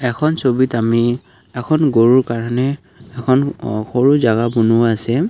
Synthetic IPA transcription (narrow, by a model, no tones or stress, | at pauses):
ɛkʰɔnsobitami | ɛkʰɔnɡoɹuɹkaɹanɛː | kʰɔnxoɹuzaɡabunuaːsɛ